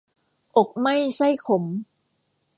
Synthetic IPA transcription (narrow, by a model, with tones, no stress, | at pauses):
ʔo˨˩k̚ma˥˩jsa˥˩jkʰo˩˦m